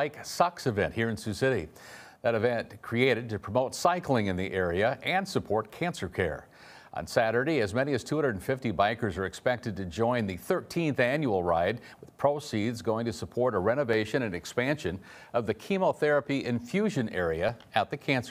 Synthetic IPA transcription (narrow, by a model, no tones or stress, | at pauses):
aɪksɑksɨvɛ̰̃ntʔhiɹɨ̃nsʉsɪɾḭ | ðɨɾɨvɛ̃nkʰɹ̥ieɪɾɨd̚tɨpʰɹ̥əmoʊtsaɪklˠɪ̃ŋɨ̃nðiʔɛɹiɨʔɨ̃nsɨpʰɔɹt̚kʰæ̃nsə˞kʰɛ̰ɹ | ʔə̰̃nsæɾə˞ɾeɪɨzmɛñiɨz̥tʰuhʌ̃ndə˞dn̩fɪftibaɪkə˞zə˞ɨkspɛk̚tɨd̚tɨd͡ʒɔ̃ɪ̃nðɨθɜ˞tʰĩnθæ̃njul̩ˠɹaɪd̚wɨð̥pʰɹ̥oʊsidzɡoʊɪ̃ŋtɨsəpʰɔɹɾəɹɛñɨveɪʃɨ̃ñɨ̃nɨkspæ̃nʃɨ̃n | ʌvðɨkʰimoʊθɛɹɨpiʔɪ̃ɱfjʉʒɨ̃nɛ̰ɹiɨɨt̪̚ðɨkʰæ̃nsə̥˞